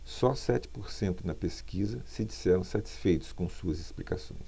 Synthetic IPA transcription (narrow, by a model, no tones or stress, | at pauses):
sɔsɛt͡ʃɪ̥poɾsẽnt̪ʊnɐpeskizɐsɪd͡ʒisɛɾɐ̃w̃sat͡ʃi̥sfejt̪ʊ̥skõsuɐzesplika̰sõ̰j̃s